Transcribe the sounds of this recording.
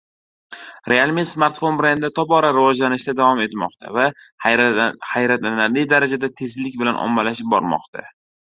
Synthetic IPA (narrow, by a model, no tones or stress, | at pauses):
ɾealˠmismaɾt̪fo̞nbɾend̪ɪt̪ʰɒbɒɾaɾɪvɒd͡ʒlanɪʃd̪ad̪avɒme̞t̪mɒ̰qt̪ʰa̰va | hajɾat̪analɪd̪aɾad͡ʒad̪at̪ʰe̞zlɪkʲbɪlanʔɒ̰mːalaʃɪp̚bɒ̰ɾmɒ̰qt̪ʰa̰